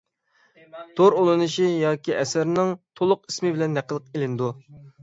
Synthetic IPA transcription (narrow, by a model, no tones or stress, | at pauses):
t̪ʰoɾolˠɨnɨʃijɑːkʲʰiɛsæɾnɪŋt̪ʰolˠʊqismɪbɪlɛnːæqʰːəlˠəq̚elɪnd̪u